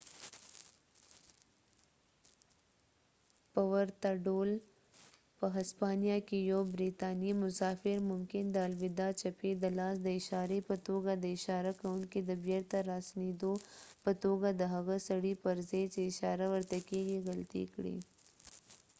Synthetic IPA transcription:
pɐwɐɾt̪aɖoːl | pəɦɐspaːnijakejobɾiːt̪aːnimʊsaːfɪɾmʊmkɪnd̪aːlʋɪd̪at͡ʃɐped̪əlaːsd̪əɪʃaːɾepət̪oːɡad̪əɪʃaːɾakɐʊɳked̪əbeɾt̪aɾaːsnid̪opət̪oːɡad̪əɦɐɣasɐɽipɐɾzet͡ʃeɪʃaːɾaʋɐɾt̪ekeɡeɣɐlt̪ḭkɽḭː

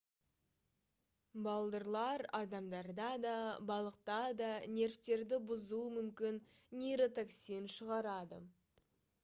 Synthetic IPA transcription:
bɑlˠd̪əɾlˠɑɾɑd̪ɑmd̪ɑɾd̪ɑd̪ɑbɑlˠəq̚t̪ɑd̪ɑne̞ɾft̪e̞ɾd̪ɪbʊzumʏmkʲɪnːejɾot̪oksijnʃəʁɑɾɑd̪ə̰

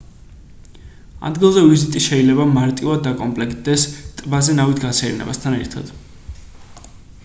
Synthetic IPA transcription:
a̰d̪ɡilˠzɛvizit̪ʼiʃɛilɛbamaɾt̪ʼivad̪̚ːakʼɔmpʼlɛkʰd̪ɛst̪ʼbazɛnavit̪ʰɡat̪sʰɛɛɾnɛ̰bast̪ʰanɛɾt̪ʰad̪̥

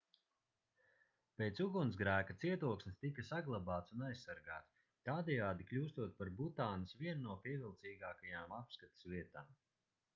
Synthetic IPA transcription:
pejt̪suɡunzɡɾæːkat̪siɛt̪uɔksmʲst̪ikɐsaɡlˠabaːt̪sunajssaɾɡaːt̪s | t̪aːd̪ɛjaːd̪iklʲuːst̪uɔt̪̚paɾbut̪aːnɐsviɛnnuɔpiɛvʲilˠt̪siːɡaːkajaːmapskat̪i̥sviɛt̪aːm

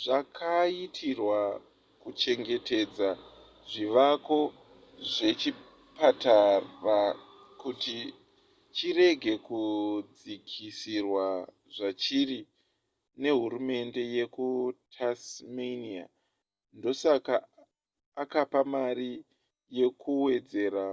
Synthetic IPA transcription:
ʐakʰaitʰirwa | kut͡ʃe̞ŋɡe̞te̞d͡za | ʐiʋako̞ | ʐe̞t͡ʃi | patara | kuti | t͡ʃire̞ɡʱe̞kud͡zikʰisirwa | ʐat͡ʃiri | ne̞ɦurume̞nde̞je̞kutʰasmenia̰ | ndo̞sakaː | kapamari | je̞kuwe̞d͡ze̞ɾa

